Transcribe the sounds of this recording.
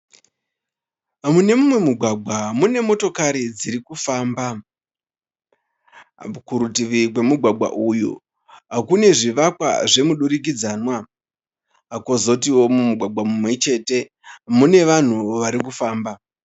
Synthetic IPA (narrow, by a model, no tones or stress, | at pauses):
amune̞mumwe̞muɡʱwaɡʱwamune̞mo̞to̞kaɾid͡ziɾikufaːmba | ukuɾutiʋikwe̞muɡʱwaɡ͡bwa̰ʔujṵ | ɦakune̞ʐiʋakwa̰ʐe̞muɗuɾik̬id͡zaːnwa | ako̞zo̞t̬iwo̞mumuɡʱwaɡ͡bʱamumwe̞t͡ʃe̞ːte̞ | mune̞ʋan̤uʋaɾikufaːmba